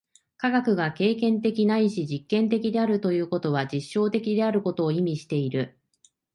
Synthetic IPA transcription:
kaɡakɯ̟ɡake̞ːkẽ̞nt̪e̞kʲinaiɕiʑikːẽnt̪e̞kʲid̪e̞aɾɯ̟t̪o̞jɯ̟ːko̞t̪o̞β̞ad͡ʑiɕːo̞ːt̪e̞kʲid̪e̞aɾɯ̟ko̞t̪o̞ːimʲiɕi̥t̪e̞iɾɯ̟

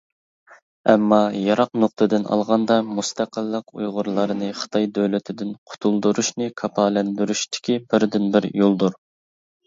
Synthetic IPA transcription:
ɛmːɑjɑɾɑqnoqt̪ʰɨd̪ɪnʔɑ̰lˠʁɑnd̪ɑmust̪ɑqəlˠːəqṵjʁʊɾlˠɑɾɨnɨχə̥t̪ʰɑjd̪øwlɪt̪ʰɪd̪ɪnqʰʊ̥t̪ʰulˠd̪uɾuʃnɨkʰɑpʰɑːlɛnd̪yɾyʃt̪ʰɪ̥kʲibɪɾd̪ɪnbɪɾjolˠd̪uɾ

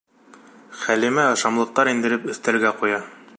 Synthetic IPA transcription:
χælimæɤʃɑmlˠɤ̆q̚t̪ɑɾind̪ɘ̆ɾɘpɵ̆θt̪ælɡæqujɑ

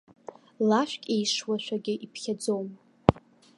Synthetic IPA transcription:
laʃʷᶣkʲʼejʂwaʃʷᶣaɡʲɪʔipʰχʲad͡zowm

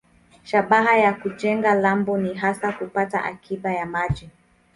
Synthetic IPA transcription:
ʃaɓaɦajakuʄɛŋɡalambɔniɦasakupata̰ʔa̰kʰiɓajamaʄi

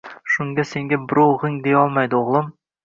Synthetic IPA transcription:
ʃʊŋɡʲase̞ŋɡʲabɪɾowʁɪŋd̪ejɒlˠmajd̪ɪoʁlˠɪm

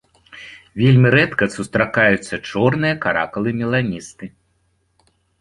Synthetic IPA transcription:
vʲelʲmʲiɾɛt̪kɐsust̪ɾakajut̪sːɐt͡ʂɔrnɨjɐkaɾa̰kɐlˠɨmʲɛlˠanʲist̪ɨ

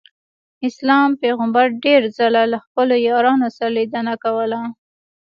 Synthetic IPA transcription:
ɪslɑmpeɣambaɾɖeɾzəlalaxpəlojɑɾɑnosaɾalid̪ənakawəla

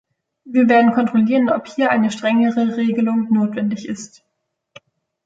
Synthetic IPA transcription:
viːɐveːɐdn̩kʰɔntʁ̥oliːʁənɔphiːɐʔaɪnəʃtʁ̥ɛŋəʁəʁeːɡəlʊŋnoːtv̥ɛndɪçɪ̰st

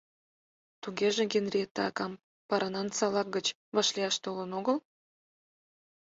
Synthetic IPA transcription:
t̪uɡʲeʒĕɡʲenrʲiet̪ːɑɑkɑm | pɑɾɑnɑnsɑlɑk̚ɡə̆t͡ɕ | βɑʃlʲiɑʃt̪olə̆noɣəl

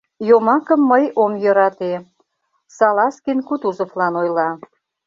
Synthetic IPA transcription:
jomɑkə̆mːəjomjø̆ɾɑt̪e | sɑlɑskinkut̪uzoflɑnojlɑ

